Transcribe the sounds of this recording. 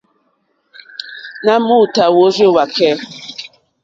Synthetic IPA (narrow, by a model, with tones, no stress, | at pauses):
na˦mu˦˨ta˨wo˨˦ɾo˦˨wa˨kɛ˦˨